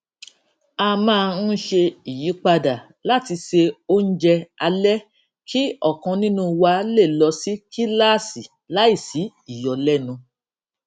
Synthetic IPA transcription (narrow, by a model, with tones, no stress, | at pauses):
a˧mãː˦˧n̩˦ʃe˧i˨ji˨˦k͡pa˧da˨ | la˦ti˧ʃe˧o˦n̩˦d͡ʒɛ˧a˧lɛ˦ | kʰi˦ɔ˦˨kã˧nĩ˦nũ˦˧wa˧˦le˦˨lɔ˧˦si˦ki˦la˦˨si˨ | la˦i˦˨si˨˦ | i˦˨jɔ˨lɛ˦nũ˧